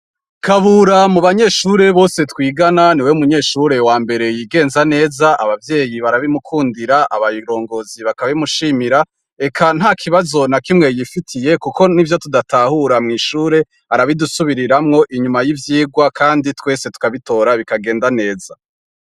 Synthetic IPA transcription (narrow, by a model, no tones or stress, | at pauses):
kʰaβuɾamuβaɲe̞ʃuɾe̞βo̞ːse̞twiːɡananiwe̞umuɲe̞ːʃuɾe̞waːmbe̞ɾe̞jiːɡe̞ːnzane̞ːzaʔaβavje̞ːjiβaɾaβimukʰuːndiɾaʔaβajiɾo̞ːŋɡo̞ziβakaβaimuʃiːmiɾa | e̞kʰan̥hakʰiβazo̞nakimŋe̞jifitʰije̞kukʰo̞nivjo̞tudatʰahuɾamŋiːʃuːɾe̞ | aɾaβidusuβiɾiɾamŋo̞ʔiɲumajivjiːɡwakʰaːnditwe̞ːsetu̥kaβito̞ːɾaβikaɡe̞ːndane̞ːza